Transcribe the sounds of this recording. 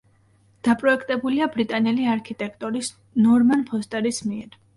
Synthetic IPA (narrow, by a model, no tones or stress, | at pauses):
d̪̥apʼɾɔɛkʰt̪ʼɛbuliabɾit̪ʼanɛliaɾkʰit̪ʼɛkʰt̪ʼɔɾis | nɔɾmanpʰɔst̪ʼɛɾismiɛɾ